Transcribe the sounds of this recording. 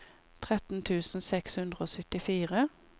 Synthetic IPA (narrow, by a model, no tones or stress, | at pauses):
t̪ʰʁɛt̪n̩t̪ʰʉːsn̩sɛkshʉnd̪ʁəoːsʏt̪ɪfiːʁə